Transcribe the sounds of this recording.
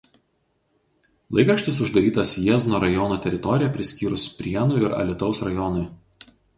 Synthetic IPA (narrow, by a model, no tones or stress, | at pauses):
lˠɐɪkɾɐʃʲt̪ʲɪs̬ʊʒd̪ɐɾʲiːt̪ɐsjiznoːɾɐjɔnuːt̪ʲɛɾʲɪt̪ɔɾʲɪjɛpʲɾʲɪsʲkʲiːɾʊspʲɾʲiɛnʊɪɾɐ̰lʲɪt̪ɒʊsɾɐjɔnʊɪ